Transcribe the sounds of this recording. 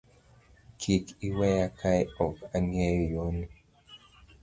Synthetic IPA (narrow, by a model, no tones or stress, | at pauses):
kʰikiwɛjakʰajɔkaŋɛjjoni